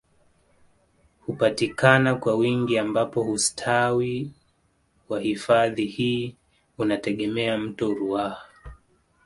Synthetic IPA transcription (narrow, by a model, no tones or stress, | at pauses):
hupatikanakwawiŋɡiambapɔhustʰawi | wahifaðihiː | unatɛɠɛmɛam̩tɔɾuaha